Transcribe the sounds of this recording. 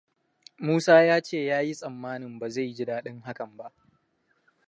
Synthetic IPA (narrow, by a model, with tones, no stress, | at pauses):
muː˦saː˦jaː˦t͡ʃeː˦˨jaː˦ji˦sʼɐ˨mːaː˦nɪ˨mbaː˨za˦˨jɡɪ˦daː˦ɗɪ˦ŋɦa˦kɐ˨mba˦ʔ